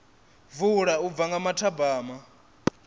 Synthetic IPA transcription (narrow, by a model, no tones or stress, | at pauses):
vuɺaub̪vaŋɡamatʰabaːma